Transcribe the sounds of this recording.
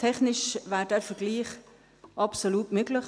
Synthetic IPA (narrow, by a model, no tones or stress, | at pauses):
tʰɛχnɪʃvæːɾdɛɾfəɾɡ̥liːχ | ʔɑpsoluːtmøɡlɪχ